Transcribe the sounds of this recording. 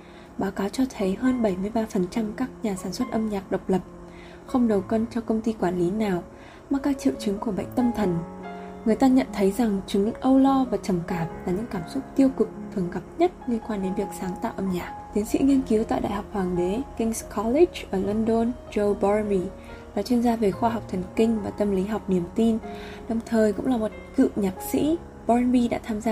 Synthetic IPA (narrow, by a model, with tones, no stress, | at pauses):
ɓaː˨˦wkaː˨˦wt͡ɕɔ˧t̪ʰə˨˦jɦəː˧nɓə˧˩jmɨ˧əjɓaː˧fə˨˩nt͡ɕa˧mkaː˦˥k̚ɲaː˨˩saː˧˩nswə˦˥t̚ʔə˧mɲaː˨˩k̚ɗə˨˩wk͡p̚lə˨˩p̚ | xə˧wŋ͡mɗə˨˩wkə˧nt͡ɕɔ˧kə˧wŋ͡mt̪i˧kwaː˧˩nli˨˦naː˨˩w | maː˨˩kaː˦˥k̚t͡ɕḭ˧˨wt͡ɕɨ˨˦ŋku˧˩əɓə̰˧˨ŋ̟t̪ə˧mt̪ʰə˨˩nŋɨ˨˩əjt̪aː˧ɲə̰˧˨nt̪ʰə˨˦jza˨˩ŋt͡ɕɨ˨˦˥ʔə˧wlɔ˧vaː˨˩t͡ɕə˨˩mkaː˧˩p̚laː˨˩ɲɨ̰˧˥ŋkaː˧˩msʊ˦˥k͡p̚t̪i˧əwkʊ˨˩k͡p̚t̪ʰɨ˨˩əŋɣa˨˩p̚ɲə˦˥t̚ŋi˧ənkwaː˧nɗe˨˦nvi˨˩ək̚saː˨˦ŋt̪a̰ː˧˨wʔə˧mɲaː˨˩k̚t̪i˨˦ənsḭ˧˥ŋi˧ənki˨˦wt̪a̰ː˧˨jɗa̰ː˧˨jha˨˩wk͡p̚hwaː˨˩ŋɗe˨˦kï˧ŋskʰɔ˨˦li˦˥t͡ɕʔəː˧˩lo˧nɗo˧nt͡ɕə˧wɓɔ˧ɹnɓi˧ | ɗa̰˨˦t͡ɕwənzaː˧ve˨˩xwaː˧ɦa˨˩wk͡p̚t̪ʰə˨˩ŋkï˧ŋ̟vaː˨˩t̪ə˧mli˨˦ɦa˨˩wk͡p̚ni˨˩əmt̪i˧n | ɗə˨˩wŋ͡mt̪ʰəː˨˩jkʊ̰˧˥ŋ͡mlaː˨˩mo˨˩t̚kɨ̰˧˨ɲaː˨˩k̚sḭ˧˥ | ɓɔ˧ɹnɓi˧ɗa̰ː˧˥t̪ʰaː˧mzaː˧